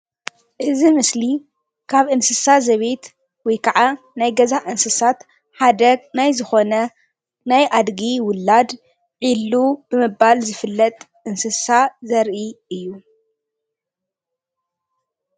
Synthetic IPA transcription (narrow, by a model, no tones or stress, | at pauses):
ʔɨzimɨsli | kʰaβʔɨnsɨsazɐβe̞t̪ | wɔjkʰaʕa | najɡɐzaʔɨnsɨsat̪ | ħad̪ɐɡ̚najzɨxo̞nɐ | najʔad̪ɡiwʊlːad̪ | ʕilːub̥ɨmɨbalzɨfɨlːɐt̪ʼ | ʔɨnsɨsazɐɾʔiɨjːu